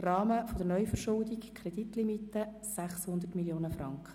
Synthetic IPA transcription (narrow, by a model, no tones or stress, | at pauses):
rɑːməfod̥əɾnœʏfərʃʊldikkʰɾɛd̥̪it̪limitːə | sæχshʊnd̪ərtmiljoːnəfɾɑŋkχə̥